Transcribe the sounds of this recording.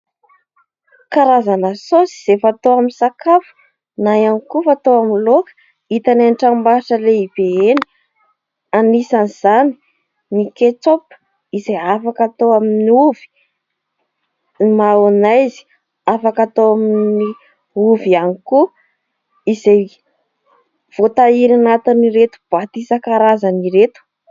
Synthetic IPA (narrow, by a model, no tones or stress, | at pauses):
kaɾazanəsosi̥z̥efat̪oaminsakafu̥ | najanikufat̪oamilokə̥ | it̪ananʈ͡ʂambaaʈ͡ʂəleib̥eeni̥ | anisaniz̥ani̥ | niket͡sopə̥ | izejafakat̪oaminiuv̥i̥ | maonajzi̥ | afakat̪oamini | uvianiku | izej | v̥ot̪aiɾanat̪iniɾet̪u̥b̥at̪isakaɾazəniɾet̪u̥